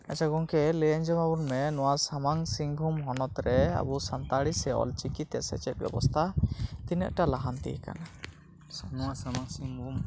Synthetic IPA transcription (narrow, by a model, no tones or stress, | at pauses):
at͡ʃʰaɡɔŋkɛlɛaɲd͡ʒɔmabunmɛnɔwasamaŋsiŋɡʱumɦɔnɔt̪ɾɛa̰busant̪aɽisɛɔ̰lt͡ʃikit̪ɛʔsɛ̰t͡ʃɛt̪̚ˀbɛ̰bɔ̰st̪ʰat̪inɛ̰ʔʈalaɦant̪ḭɦɛka̰na | nɔwasamaŋsiŋum